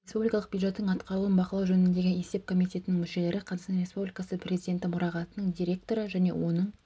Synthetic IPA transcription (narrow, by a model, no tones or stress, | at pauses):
ɾʲespublʲikɑlˠəqbjud̪ʒe̞t̪ːəɴɑt̪qɑɾuluənbɑqəlˠɑwʒɵnɪnd̪e̞ɡʲene̞se̞p̚kʰo̞mijt̪ʲe̞t̪ɪnɪŋmʏʃe̞le̞ɾɪqʰɑzɑɑnɾʲe̞spublʲijkɑsəpʰrʲe̞zid̪ʲe̞nt̪ɪmʊɾɑʁɑt̪ənəɴd̪ʲiɾʲe̞k̚t̪o̞ɾəʒæne̞̰wo̞nəɴ